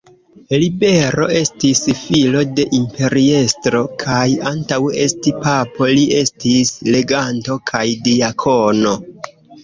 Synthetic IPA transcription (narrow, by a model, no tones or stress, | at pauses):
libe̞ɾo̞̰e̞stisfilo̞de̞ʔimpe̞ɾie̞stɾo̞kʰajantawe̞stipapo̞lie̞stisle̞ɡanto̞kʰajdiakʰo̞no̞